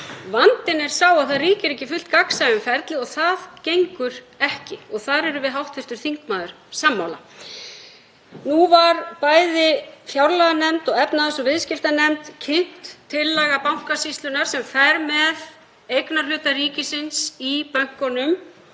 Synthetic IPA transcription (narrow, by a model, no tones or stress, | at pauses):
vant̪ɪnɛɾ̥sawaðθaðriːcɪɾɛhcːɪfʏl̥t̪kaksajʏmfɛɾt̪lɪɔɣθaðcejŋkʏɾ | ɛhcɪɔɣθaɾɛɾʏvɪðɦawht̪fɪɾ̥t̪ʏɾ̥θiŋkmaːðʏɾ̥ | samːawla | nuvaɾpaːjðɪfjawɾlaɣanɛmt̪ɔɣɛpnaðasɔvɪðscɪft̪anɛmt̪cʰɪn̥t̪ʰːɪlːɛɣapawŋ̥kasist̪lʏnaɾ̥sɛmfɛɾmɛð | ejknaɾ̥lʏːt̪aɾiːcɪsɪnsipœŋ̥kɔnʏm